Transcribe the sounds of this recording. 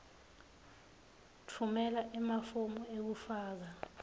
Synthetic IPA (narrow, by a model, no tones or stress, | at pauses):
tʰumɛlaʔɛmafomɔek̬ufaːk̬a